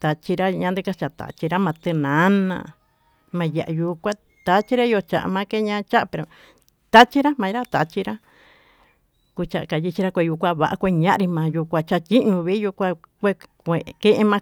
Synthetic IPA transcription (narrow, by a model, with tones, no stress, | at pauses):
t̪a˨t͡ʃi˧ɾa˦ɲã˧nd̪ɨ˦ka˧t͡ʃa˨t̪a̰˨t͡ʃi˧ɾa˦mã˧t̪ɨ˧nã˨˦nã̰˧ | mã˧ja˨ʔa˧ju˧kʷa˦ | t̪a˧t͡ʃi˦ɾa˦˧jo˧t͡ʃa˨ʔa̰˧mã˧˦ke˦ɲã˦˧˦t͡ʃa˦ʔa˧pe˨ɾo˨ | t̪a˦t͡ʃi˦ɾa˦mã˧i˧ɾa˦t̪a˨t͡ʃi˧ɾa˦ | ku˧t͡ʃa˧ʔka˧˨ji˧t͡ʃi˧ɾa˦kʷe˧ju˧kʷa˧βa˧ʔa˧kʷe˧ɲã˦ʔɾi˧mãː˧ju˧kʷa˧t͡ʃa˧tʲi˦ɲũ˧βi˦ju˧kʷa˧kʷe˦˧kʷe˨kẽ˦ʔe˧mã˧